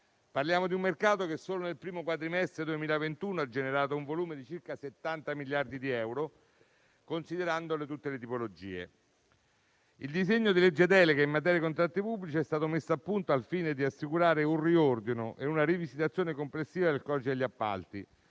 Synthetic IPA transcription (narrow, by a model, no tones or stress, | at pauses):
parljaːmod̪iumːerkaːt̪okesːoːlonelpɾiːmokwat̪ɾimɛst̪ɾed̪uemiːlavent̪uːnoad͡ʒːeneɾaːt̪ouɱvoluːmed̪it͡ʃirkaset̪ːant̪amiljard̪id̪iɛwɾo | konsid̪eɾand̪olet̪ut̪ːelet̪ipolod͡ʒḭːḛ | ild̪izeɲːod̪iled͡ʒːed̪ɛːlekaimːat̪ɛɾjikont̪ɾat̪ːipubːlit͡ʃiɛst̪aːt̪omesːoapːunt̪oalfiːned̪iasːikuɾaːɾeunriord̪inoʔeunaɾivisit̪at̪sjoːnekomplesːiːvad̪elkɔt͡ʃid̪eʎːiapːa̰lt̪i